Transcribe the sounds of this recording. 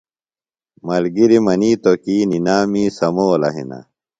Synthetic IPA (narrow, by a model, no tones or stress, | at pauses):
mɐlɡiɾimɐniːt̪okiːninaːmiːsɐmoːlɐ̰ɦḭnɐ̰